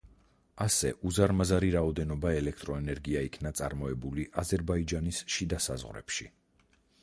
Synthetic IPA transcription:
asɛʔuzaɾmazaɾiɾaɔd̪ɛnɔbaɛlɛk̚ʰt̪ʼɾɔɛnɛɾɡiaikʰnat̪sʼa̰ɾmɔɛbuliʔazɛɾbaid͡ʒanisʃid̪asa̰zʁɾɛ̰pʃi

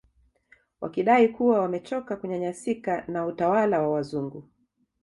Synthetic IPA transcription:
wʔa̰kiɗaikuwawamɛt͡ʃɔkakuɲaɲasikanautawalawawazuŋɡu

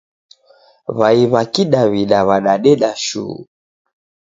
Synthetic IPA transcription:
βaiβakiɗaβiɗaβaɗaɗɛɗaʃṵ

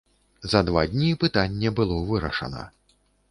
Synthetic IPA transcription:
zɐd̪vad̪ʲnʲipɨt̪anʲːɛbɨlˠɔvɨɾɐ̰ʂɐ̰nɐ̰

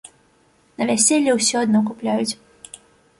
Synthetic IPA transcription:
nɐvʲasʲɛlʲːɛwsʲɔad̪nɔk̬uplʲajut͡sʲ

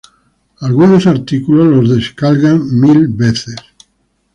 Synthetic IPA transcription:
alɣunosaɾt̪ikulozlozðe̞skalɣaŋmilbeθes

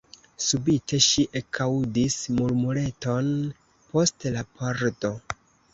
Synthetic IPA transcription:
subite̞ʃiʔekʰawdismuɾmule̞to̞n | po̞stlapʰaɾdo̞

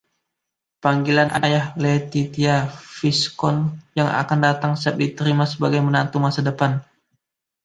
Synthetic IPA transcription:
paŋɡilanʔa̰nʔajahlet̪it̪iafiskɔnjaŋʔa̰kandat̪aŋsap̪̚dit̪əɾimasəbaɡajmənant̪umasadəpan

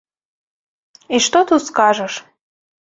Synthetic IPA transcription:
iʃt̪ot̪uskaʒəʃ

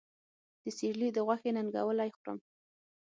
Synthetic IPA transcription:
d̪̥əseɾlid̪əɣwaxenanɡa̰wəlajxɾə̰m

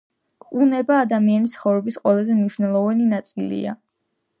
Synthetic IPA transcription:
unɛbaːd̪amianisχɔvɾɛbisqʼwɛlˠazɛmniʃwnɛlˠɔvaninat̪sʼilḭa̰

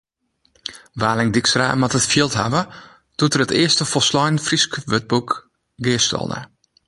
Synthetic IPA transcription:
ʋaːlɪŋdiksra̰ːmatətfjiəlˠtha̰ʋə | d̥utərətɪəstəfolˠslɔjnfriskʋøt̚buk | ɡɪəstɔ̰lˠnə̰

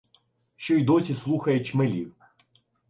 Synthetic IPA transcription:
ʃt͡ʃɔid̪ɔsʲislˠuxɐjet͡ʃmelʲiw

